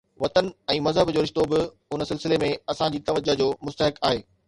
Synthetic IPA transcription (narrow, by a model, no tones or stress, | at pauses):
ʋɐt̪ənɛ̃ːmɐzɦəbd͡ʑoːɾɪʃt̪obɪ | ʊnəsɪlsɪlemẽɐsãd͡ʑiːt̪ɐʋəd͡ʑəd͡ʑoːmʊst̪əɦɪkaːɦeː